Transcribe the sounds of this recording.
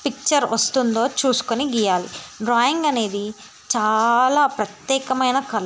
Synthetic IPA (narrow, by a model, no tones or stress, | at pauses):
pik̚t͡ʃɐɾʋɐst̪und̪o̞ːt͡ʃuːsu̥koniɡiːjaːlḭɖɾaːjiŋɡɐne̞ːd̪i | t͡ʃaːlaːpɾɐt̪jɛːkɐmɐjnɐkɐlɐ